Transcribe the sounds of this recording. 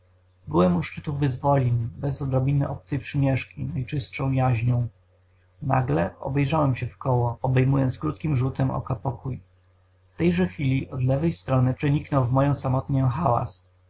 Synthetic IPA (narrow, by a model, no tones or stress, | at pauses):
bɘwɛmuʂt͡ʂɘt̪uvɘzvɔlʲinbɛzɔd̪ɾɔbʲinɘʔɔp̚t̪sɛpʂɘmʲjɛʂkʲinajt͡ʂɘst̪ʂɔ̃w̃jaʑɲɔ̃w̃ | na̰ɡlɛɔ̰bɛjʐawɛmɕɛfkɔwɔɔbɛjmujɔ̃nt̪skɾut̪̚kʲimʐut̪ɛmʔɔ̰kɔpɔkuj | ft̪ɛjʐɛxfʲilʲiʔɔd̪lɛvɛjst̪ɾɔnɘpʂɛɲiknɔwvmɔjɔ̃w̃samɔt̪ɲɔ̃w̃xawa̰s